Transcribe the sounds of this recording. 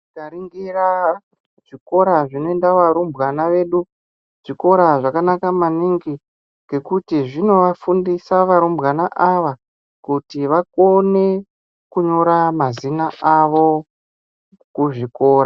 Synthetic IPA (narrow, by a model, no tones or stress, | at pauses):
kaɾiŋɡira | ʐ̥iko̞ɾaʐino̞endaʋaɾumbɣanaʋe̞ːɗu | ʐ̥iko̞ɾaʐakanakamaniŋɡi | ŋɡe̞kutiʐino̞ʋafundisaʋaɾumbɣanaʔaʋa | kutiʋakone̞ | kuɲo̞ɾamazinaaʋo̞ | kuʐiko̞ːra